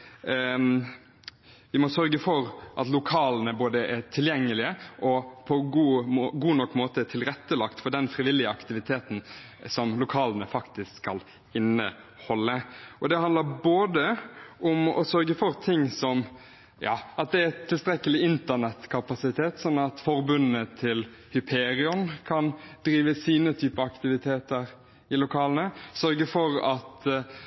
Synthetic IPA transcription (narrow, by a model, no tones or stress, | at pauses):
ʋɪmɔsœɾɡəfɔɾʔɑt̪lʊkʰɑːlənəboːd̪əʔɛt̪ʰɪljɛŋːəlɪəʔɔpʰɔɡuːɡuːnɔkːmoːt̪ət̪ʰɪlɾɛt̪ːəlɑkt̪fɔɖɛnfɾɪʋɪlːɪəɑkt̪ɪʋɪt̪ʰeːt̪n̩ | sɔmlʊkʰɑːlənəfɑkt̪ɪskskːɑl | ɪnə | hɔlːəʔɔd̪ɛhɑnd̪ləɾboːd̪əʔʊmɔ̰sœɾɡəfɔɾt̪ʰɪŋːsɔm | jɑ̰ːɑt̪̚d̪ɛæt̪ʰːɪlst̪ɾɛkəlɪɪnt̪ənɛt̪kʰɑpɑsɪt̪ʰeːt̪sɔnːɑt̪fɔɾbʉnət̪ʰɪl | hʏpʰeːɾɪɔnkʰɑnd̪ɾiːʋəsiːnət̪ʰyːpəɑkt̪ɪʋɪt̪ʰeːt̪əɾ | ɪlʊkʰɑːlnəsœɾɡəfɔɾɑt̪